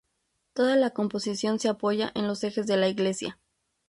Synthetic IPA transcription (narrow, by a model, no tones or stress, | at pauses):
t̪o̞ðalako̞mpo̞sisjo̞nse̞apo̞ʝaʔe̞nlo̞se̞xe̞zðe̞laiɣle̞sja̰